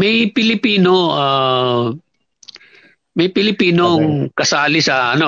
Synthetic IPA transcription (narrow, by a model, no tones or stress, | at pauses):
mɐjpɪlɪpiːno̞a | mɐjpɪlɪpiːnoŋkɐsaːlɪsɐʔɐ̰no